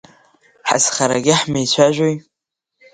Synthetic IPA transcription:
ħa̰sχaɾaɡʲɪħmejt͡ɕʷʰaʒʷᶣoj

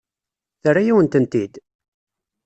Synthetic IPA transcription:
θərːajæwənt̪ənt̪id̪

